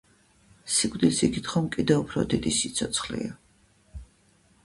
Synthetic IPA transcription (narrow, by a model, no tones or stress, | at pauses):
sikʼd̪ilsiɡit̪χɔmkʼid̪ɛupʰɾɔ̰d̪id̪isit̪sʰɔt̪sʰχlḭa